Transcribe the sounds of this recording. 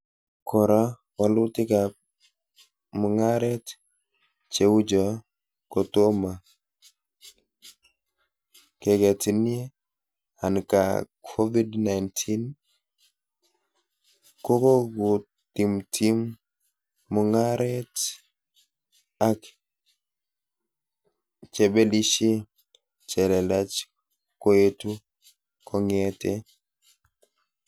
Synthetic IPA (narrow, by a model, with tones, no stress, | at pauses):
kʰɔ˨ɾa˦ | wa˨lʊ˦tɪ˦ka˨p̚ | mɔ˨ŋa˦ɾɛ˦t | t͡ʃe˨wʊ˦d͡ʒɔ˨ | kɔ˨to˦ma˨ | kɛ˨ɡɛ˨ti˨ni˦e˦ | a̰˨nka̰˨kʰo˦vi˦dna˨ɪntʰi˦n | ko˦ko˦ɡu˨ | ti˨mtʰi˦mː | ɔ˨ŋa˦ɾɛ˦t | a˦k | t͡ʃɛ˨be˦li˦ʃe˦ | t͡ʃɛ˨lɛ˨la˦t͡ʃ | ko˦e˦tu˦ | kʰɔ˨ŋɛte˦